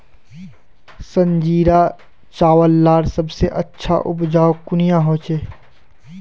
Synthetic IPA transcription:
sə̃nd͡ʒiːɾa | t͡ʃaːwəlːaːɾsɐbseʔɐtːʃʰa̰ʔʊbd͡ʒaːokʊnijãɦoːt͡ʃeː

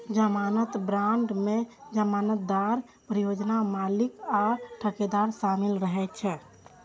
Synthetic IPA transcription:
d͡ʒəmanət̪bɾaɳɖmed͡ʒəmanət̪̚d̪aɾ | pɾijod͡ʒnamalikaʈʰəked̪aɾsamilɾəɦɛt̪̚t͡ʃʰɛ

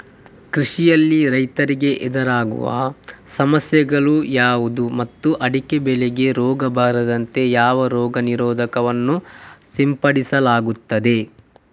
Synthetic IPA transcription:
kɾiʂijɐlːiɾɐjt̪ɐɾiɡe̞ʔɛd̪ɐɾaːɡṵʋɐ̰sɐmɐsjɐɡɐɭujaːʋud̪umɐt̪ːuʔɐɽikebɛleɡe̞ɾɔːɡɐbaːɾɐd̪ɐnt̪e̞jaːʋɐɾɔːɡɐniɾɔːd̪ʱɐkɐʋɐnːusimpɐɽisɐlaːɡut̪ːɐd̪e̞

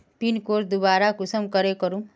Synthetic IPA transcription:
pinkoɾd̪ubaɾakusəmkʌɾekʌɾũm

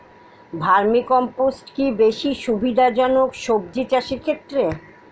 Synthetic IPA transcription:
bʱaɾmikɔmposʈkibeʃiʃubʱid̪ʱad͡ʑɔnokʃob̚d͡ʑit͡ɕaʃiɾkʰet̪ːɾe

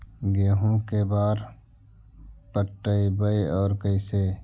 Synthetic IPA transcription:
ɡeːɦũkebaːɾ | pəʈːəibəeɔːɾkəɪse

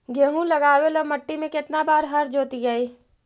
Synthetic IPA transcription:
ɡeːɦũlɐɡaːwelomɐʈːimẽkɪt̪nabaːɾɦɐɾd͡ʒoːt̪id͡ʒaːiː

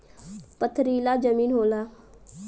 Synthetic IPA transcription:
pət̪ʰːɾiːlaːd͡ʒəmiːnɦoːlaː

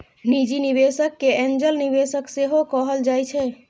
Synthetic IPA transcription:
nid͡ʒiniβesəkːeend͡ʒəlniβesəkseɦokəɦəld͡ʒajt͡ʃʰɛ

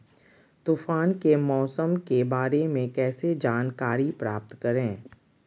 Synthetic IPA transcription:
t̪ufaːnkemɔːsəmkebaːɾemẽkɛːsed͡ʒaːnkaːɾipɾaːp̚t̪kɐɾẽː

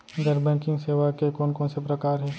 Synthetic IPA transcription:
ɡɐɾbɛ̃ːkɪ̃ŋɡseːʋakekɔːnkɔ̃ːnsepɾɐkaːɾɦɛː

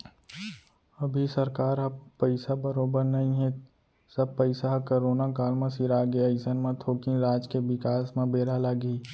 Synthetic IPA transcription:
ɐbʱisɐɾkaːɾɦɐpəɪsabəɾoːbəɾnɐɦĩɦɛ | sɐb̚pəɪsaɦkoɾoːnakaːlmẽsiɾaːɡeɐɪsənmẽt̪ʰoːkĩnɾaːd͡ʒkeʋɪkaːsmẽbeːɾalaɡiː

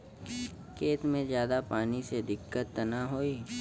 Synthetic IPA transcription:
keːt̪mẽzjaːd̪apaːnised̪ɪkːət̪ːənaɦoːiː

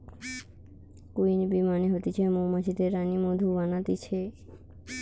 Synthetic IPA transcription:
kuinibimaniɦot̪it͡ʃʰemomat͡ʃʰit̪eɾanimod̪ʱuʋanat̪it͡ʃʰe

